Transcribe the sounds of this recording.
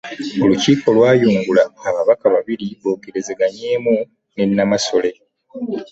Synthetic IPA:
o̞luciːko̞lwaːjuːŋɡulaːβaβakaβaβiɾiβo̞ːkeɾezeɡaɲeːmu | ne̞nːamaso̞le̞

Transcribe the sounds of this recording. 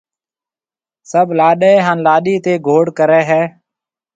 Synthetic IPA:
səblaːɗẽːɦaːnlaːɗiːt̪eːɡʱoːɽkəɾɛːɦɛː

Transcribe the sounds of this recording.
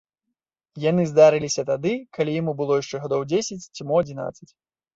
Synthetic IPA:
janɨzd̪aɾɨlʲisʲɐt̪ad̪ɨkalʲijamubɨlˠɔjaʂt͡ʂɛɣad̪ɔwd͡zʲesʲɐt͡sʲt͡sʲimɔɐd͡zʲina̰t̪sɨt͡sʲ

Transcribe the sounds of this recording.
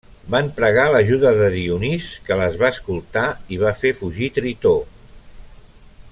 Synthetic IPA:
bampɾəɣ̞aləʒuðəðəðiuniskələzβaəskulˠt̪aiβ̞afefuʒit̪ɾit̪o

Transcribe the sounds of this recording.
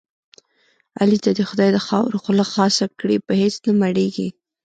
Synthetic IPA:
a̰lit̪ad̪əxʊd̪ɑjd̪əxɑwɾoxʊlaxɑsakɽipəhesnamaɽeɡḭ

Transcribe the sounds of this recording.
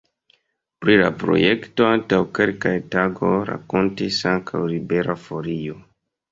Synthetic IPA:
pɾilapɾo̰jektoantawkelkajtaɡoɾa̰kontisaŋkʰa̰wlibeɾafoɾio

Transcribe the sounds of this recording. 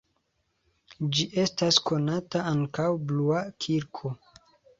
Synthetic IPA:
d͡ʒiʔe̞stasko̞nataaŋkawbluakʰiɾkʰo̞

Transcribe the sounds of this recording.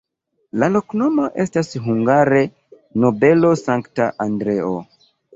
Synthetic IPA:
lalo̞kno̞mo̞ʔe̞stasɦuŋɡaɾe̞ | no̞be̞lo̞saŋktaʔandɾe̞o

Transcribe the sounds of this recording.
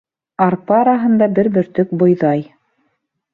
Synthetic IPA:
ɑɾpɑɾɑɦɤ̆nd̪ɑbɘɾbɘ̆ɾt̪ɵk̚bŏjðɑj

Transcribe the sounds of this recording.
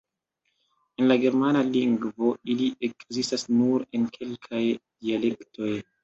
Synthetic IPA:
enlaɡe̞ɾmanaliŋɡvo̞iliʔekzistasnuɾe̞nkʰe̞lkʰajd̥iale̞ktʰo̞j

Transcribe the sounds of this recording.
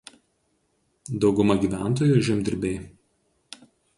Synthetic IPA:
d̪ɒʊɡʊmɐɡʲiːˑʋʲæ̰ˑnˑt̪̬oːjuːˑʒʲɪmʲd̪ʲɪɾʲbʲeː

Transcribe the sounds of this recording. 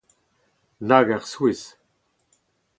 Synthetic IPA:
naɡɛχswis

